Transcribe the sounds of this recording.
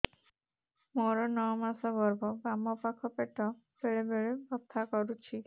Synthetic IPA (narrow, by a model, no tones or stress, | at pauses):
mɔɾɔnɔmasɔbɔɾbɔbamɔpakʰːɔpeʈɔ | beɭebeɭebɔt̪ʰːakɔɾut͡ʃʰi